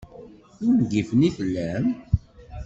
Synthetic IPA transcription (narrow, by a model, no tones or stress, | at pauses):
ʊɾmɡifəniθəlːæm